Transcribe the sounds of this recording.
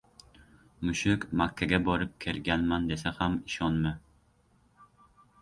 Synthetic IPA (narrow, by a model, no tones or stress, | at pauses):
mʊʃɪkmakʲʰːaɡʲabɒɾɪp̚kʲʰelɡʲanmand̪esahamɪʃɒnmɪ